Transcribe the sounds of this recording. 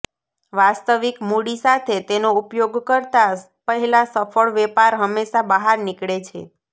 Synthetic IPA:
ʋast̪əʋikmuɽisat̪ʰet̪enoupjoɡkəɾt̪a | pəɦɛlasəfʰəɭʋɛpaɾɦəmːeʃabəɦaɾnɪkɭet͡ʃʰḛ

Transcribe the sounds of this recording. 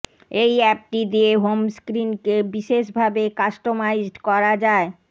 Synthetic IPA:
ejɛp̚ʈid̪ieɦomskɾinkebiʃeʃbʱabekaʃʈomaid͡ʑʈkɔɾad͡ʑae

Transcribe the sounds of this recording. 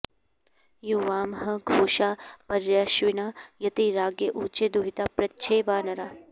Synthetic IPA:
juʋaːmɦɐ̆ɡʱoːʃaːpɐɾjaːʃʋinaːjɐt̪iɾaːɡjɐʔuːt͡ʃed̪uɦit̪apɾɐtːʃʰeːʋaːnɐɾaː

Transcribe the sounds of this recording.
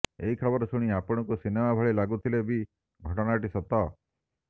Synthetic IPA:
eɦikʰɔbɔɾɔsuɽ̃iapɔɽ̃ɔkusinemabʱɔɭilaɡut̪ʰilebi | ɡʱɔʈɔɽ̃aʈ̬isɔt̪ɔ

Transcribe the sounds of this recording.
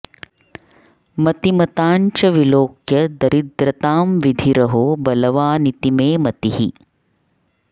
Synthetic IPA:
mɐt̪imɐt̪aːɲt͡ʃɐʋiloːkjɐd̪ɐɾʔid̪ɾɐt̪aːmʋid̪ʱiɾɐɦobɐlɐʋaːnit̪imeːmɐt̪iɦi

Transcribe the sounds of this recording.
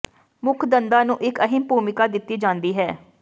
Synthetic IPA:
mʊkʰd̪ənd̪aːnũːʔɪkəɦɪmpuːmɪkaːd̪ɪt̪ːiːd͡ʒãːnd̪iːɦɛː

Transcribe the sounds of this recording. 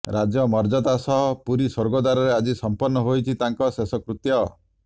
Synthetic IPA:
ɾad͡ʒjɔmɔɾd͡ʒɔd̪asɔɦɔpuɾisɔɾɡɔd̪aɾɔɾead͡ʒisɔmpɔɾnːɔɦojt͡ʃʰit̪aŋkɔsesɔkɾut̪jɔ

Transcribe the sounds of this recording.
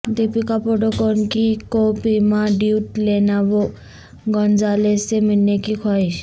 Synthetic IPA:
d̪ipikapɔʈɔkɔnkikopimaɖiuʈlenaʋo | ɡɔnd͡zaleseminːekikʰɔjs

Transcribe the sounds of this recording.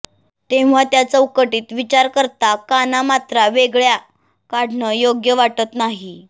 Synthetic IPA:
t̪ẽʋ̤ʋat̪jat͡səukəʈiːt̪ʋit͡ɕaɾkəɾt̪akanamat̪ɾaʋeɡɭja | kaɽnəjoɡjəʋaʈət̪naɦi

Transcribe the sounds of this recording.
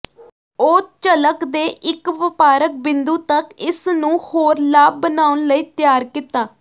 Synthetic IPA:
oːt͡ʃələkd̪eːʔɪkʋɪpaːɾək̚bɪnd̪uːt̪əkɪsnũːhoːɾlaːb̚bənaːʊnləiːt̪jaːɾkit̪aː

